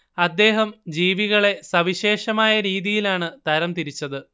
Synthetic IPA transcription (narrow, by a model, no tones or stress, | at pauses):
ɐd̪ːe̞ːɦɐmd͡ʑiːʋiɣɐɭe̞sɐʋiɕe̞ːʂɐmaːjɐɾiːðijilaːɳɨt̪ɐɾɐmt̪iɾit͡ɕːɐðɨ